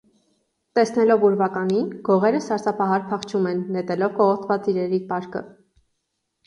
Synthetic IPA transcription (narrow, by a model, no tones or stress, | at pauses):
t̪ɛsnɛlɔvuɾvɑkɑninɡ̥ɔʁɛɾəsɑɾsɑpʰɑɦɑɾpʰɑχt͡ʃʰumɛnːɛt̪ɛlɔvkɔʁɔt̪ʰvɑt͡siɾɛɾipɑɾkə̰